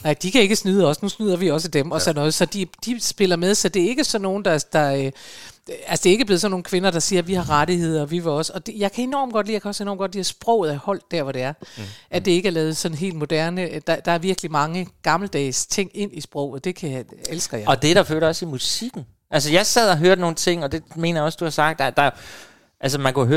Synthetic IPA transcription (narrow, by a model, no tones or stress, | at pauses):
nɑ̈ɪ̰d̥ikʰæe̝ɡ̥əsnyðˠəɒ̽snusnyð̞̰ˠɐʋiɒ̽s̬əd̥emɒ̽sɒ̽nːɔ̽ːð̩ˠsɒ̽d̥id̥isb̥e̝lɐmeðˠsɒ̽d̥e̝æɐe̝ɡ̥əsɒ̽nːo̝ːn̩d̥ɑ̈d̥ɑ̈ | ælsə̥d̥e̝ɐeɡ̥əble̝ð̩ˠsɒ̽nːo̝ːn̩kʰʋe̝nɐd̥ɑ̈siːɐʋihɑ̈ʁɑɾihe̝ð̞̰ˠɐʋiʋe̝ɒ̽sɒ̽d̥ejɑ̈ɪkʰæe̝nɒ̰ːmɡ̥ɒ̽d̥liːjakʰæɒ̽se̝nɒ̰ːmɡɒ̽d̥liːɐsb̥ʁɔʊð̩ˠæhɒ̽l̰d̥æɐʋɒɾ̥e̝æɐʔæd̥e̝e̝ɡ̥æɐlɛːð̞̩ˠsɒ̽n̩ɦe̝̰ːld̥mo̝d̥æɐnəd̥ɑd̥ɑ̈æɐʋiɐɡ̥əlimɑ̈ŋəɡ̥ɑ̈ml̩d̥ɛ̰ːst͡sʰe̝ŋ̰e̝n̰isb̥ʁɔ̰ʊ̰ð̩ˠd̥e̝kʰæelsɡ̥ɐjɑɒ̽d̥e̝ɾ̥ɑ̈fø̰ːɾɐɒ̽simusiɡ̥n̩ | ʔæls̬əjɑ̈ɪsɛð̞̰ˠɒɦøːɐdno̝ːn̩t͡sʰe̝ŋ̰ɒ̽d̥e̝me̝̰ːnɐjaɒ̽sd̥uhɑ̈sɑ̈ɡ̥d̥d̥ɑ | ʔælsəmænkʰuɦø